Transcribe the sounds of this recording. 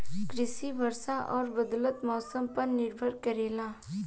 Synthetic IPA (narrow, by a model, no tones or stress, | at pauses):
kɾɪʃibʱɐɾsaʔɔːɾbɐd̪lət̪mɔːsəmpɐɾnɪɾbʱəɾkɐɾeːlaː